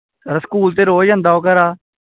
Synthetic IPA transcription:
əɾaskuːlt̪eːɾoːd͡ʒə̃nd̪aːoːkəɾaː

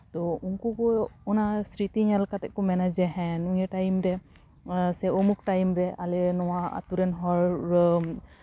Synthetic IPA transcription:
t̪ɔuŋkɔkɔɔnasɾit̪iŋalkat̪ɛʔ̚kɔmɛnad͡ʒɛɦɛ̃nuŋɛʈajmɾɛ | sɛɔmuk̚ʈajmɾɛalɛnɔwaa̰t̪uɾɛnɦɔɾ

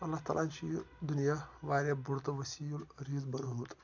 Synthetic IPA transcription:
ɐlːaɦt̪a̰lanʲt͡ʃiːd̪unijaʋaːɾjabuɾt̪ʋəsiulɾiːzbɐnɦoːt̪

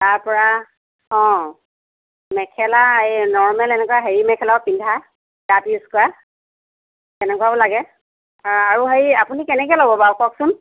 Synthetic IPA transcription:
taɹpɔɹa | ɔ̃ | mɛkʰɛlanɔɹmɛlɛnɛkwaɦeɹimɛkʰɛlaɔpindʱa | dapiuskɔa | tɛnɛkuabɔlaɡɛ | aɹuɦeɹiapunikɛnɛkɛlɔbɔbawkɔksʊn

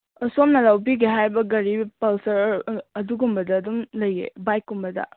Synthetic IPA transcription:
ɐsomnɐlawbiɡiɦajbɐɡɐɾibpɐlsɐɾɐduɡumbɐdɐːdumlɐjḛbajkɡumbɐdɐ̰

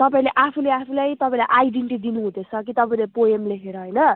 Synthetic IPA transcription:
t̪ʌpaĩleʔapʰuleapʰulajt̪ʌpãĩlajʔajɖeɳʈid̪inuɦũd̪et͡sʰʌkit̪ʌpaĩlepoemleɦeɾʌɦʌjnʌ

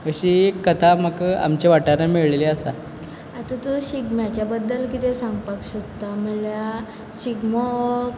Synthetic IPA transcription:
əɕiekːət̪ʰaməka̰mt͡ɕeʋaʈanamiɭleleəsa̰ | at̪ãt̪uɕiɡmjat͡ɕjabəd̪ːəlkit̪ɛ̃sãŋɡpakɕot̪ːaməlja | ɕiɡmɔ

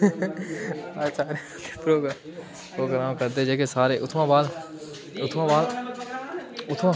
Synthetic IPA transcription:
asaːɾe | ke̥pɾoːɡa | poːɡɾãːmkɐɾd̪ed͡ʒeːkesaːɾeʔʊt̪ʰmãbaːl | ʊt̪ʰmãbaːl | ʊt̪ʰmã

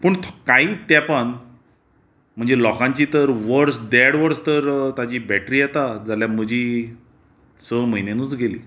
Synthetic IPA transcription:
pəɳt̪ʰkaiːt̪japəɳ | m̤əɳd͡zelɔkãɲt͡ɕiːt̪əɾʋəɾsd̪ɛɽʋəɾst̪əɾt̪ad͡ʑiːbɛʈɾiːjɛt̪ad͡zaljam̤əd͡ʑʱiː | səm̤əjnenuːt͡sɡelḭː

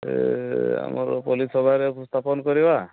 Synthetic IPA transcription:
ḛa̰mɔɾpɔlisɔbʱaɾest̪ʰapɔnɔkɔɾiba

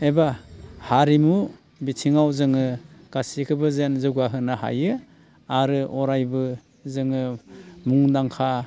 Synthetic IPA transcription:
ebahaɾimu | bitʰiŋawzɯŋɯɡ̥asikʰɯbɯzenzɯɡaɦɯnaha̰jɯ | aɾɯʔɔɾajbɯ | zɯŋɯmuŋdaŋkʰa

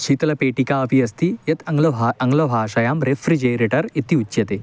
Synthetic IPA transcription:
ʃiːt̪ɐlɐpeːʈikaːɐpiɐst̪ijɐt̪lɐɐŋɡlɐbʱaːʃɐjaːmɾefɾid͡ʒejɾiʈɐɾit̪iut͡ʃːjɐt̪e

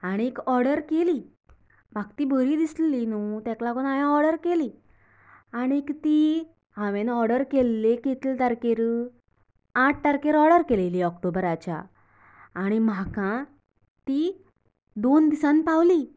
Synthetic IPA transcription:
aɽ̃iekɔɾɽəɾkeli | bak̚t̪ibʱəɾiːd̪isllinut̪ɛ̃klakɔnajãɔɾɽəɾkeli | aɽ̃iekt̪i | ɦãʋenɔɾɽəɾkelːeket̪lt̪aɾkeɾ | aʈ̚ʰt̪aɾkeɾɔɽəɾkeleliɔkʈobɾat͡ɕa̰ː | ɽ̃imakã | t̪i | d̪ond̪isãnpawli

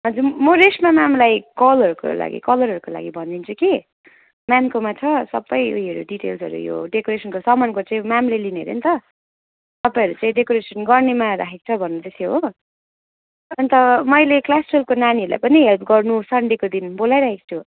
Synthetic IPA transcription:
ʌd͡zumʌɾesmamamlajkʌlʌɾuko̰la̰ɡḭkʌlʌɾɦʌɾukola̰ɡibʱʌnd̪int͡sʰuki | mamkomat͡sʰʌsʌbːʌjṵɦiʌɾṵɖiʈḛlsʌ̰ɾṵjo̰ɖekoɾesʌnkosʌmʌnkot͡saĩmamlelineɾjḛnt̪ʌ | t̪ʌpãj̃ʌɾut͡saĩɖekoɾesʌnɡʌrnemaɾa̰kʰek̚t͡sʰʌbʱʌnːut̪esjeɦo | ʌnt̪ʌmʌjleklasrelkonaniʌɾula̰jpʌniɦelp̚ʰɡʌrnusʌɳɖekod̪inbolajɾakʰekt͡sʰo

